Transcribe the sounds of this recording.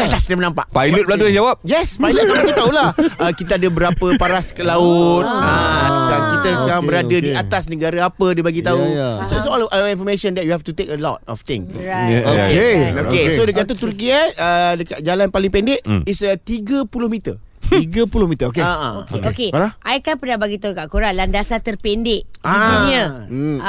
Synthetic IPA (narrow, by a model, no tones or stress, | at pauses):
at̪asnamənãmpa̰ʔpajlət̚bəladujãŋd͡ʒawap̚jɛspajlət̪̚bəbbaɡit̪aulahəkit̪əadəbəɾapəpaɾaskəlaʊt̪̚əkit̪əŋbəɾadədiat̪asnəɡaɾaapədəbaɡit̪aussɔlĩnfɔmeʃɔ̃nd̪ɛt̚juhɛft̪ut̪ekəlɔ̰t̚ɔ̰ft̪ɪ̰̃ŋokeokesodək̬at̪ət̪urk̬iaədəkat̚d͡ʒalanpalɪŋpɛndɪʔisət̪iɡəpulohmit̪ə̰ | iɡəpulʊhmit̪əokeaokeokeaʔajkanpənabaɡit̪aukaʔkuɾaŋlandasat̪ərpendɪʔaid̪uɲə